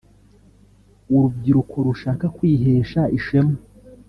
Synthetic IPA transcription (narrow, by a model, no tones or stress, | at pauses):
uɾub̚ɡiɾukʰo̞ɾuʃaːkakwiːɦeːʃaiʃemo